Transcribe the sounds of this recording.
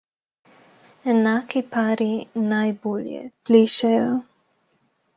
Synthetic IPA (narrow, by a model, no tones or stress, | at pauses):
ɛnaːkipaːɾinajboːljɛ̰pliːʃɛjɔ